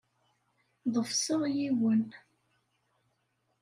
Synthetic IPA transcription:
ðˤəfsəʁjiwən

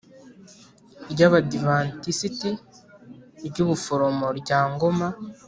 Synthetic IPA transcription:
ɾɟaβadivantisiti | ɾɟuβufoɾo̞mo̞ɾɟaːŋɡo̞ma

